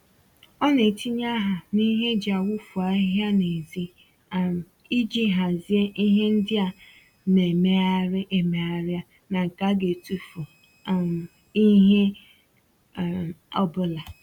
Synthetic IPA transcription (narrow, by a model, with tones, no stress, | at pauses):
ɔ˦ne˨ti˦ɲa˦ɦa˨ni˦ɦe˦d͡ʒa˨wu˦fu˨a˨i˦ɦja˦ne˨zi˦˨ | m˨ | i˦d͡ʒi˦ɦa˨zi˦e˦ʔi˦ɦe˦n̩˦dɪ˦a˨ | ne˨me˦a˦ɾɪ˦ʔe˨me˨˦a˨ɾja˦ | na˨ŋ̩˨ka˦ɡe˨tu˦fu˨˦˨ | i˦ɦe˦˨ | ɔ˦bʊ˦la˨